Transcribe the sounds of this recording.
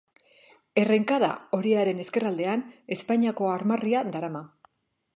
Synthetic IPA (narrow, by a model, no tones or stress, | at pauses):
e̞re̞ŋkaða̰o̞ɾiaɾe̞ne̞ske̞rald̪e̞ane̞spaɲiako̞aɾmariad̪aɾama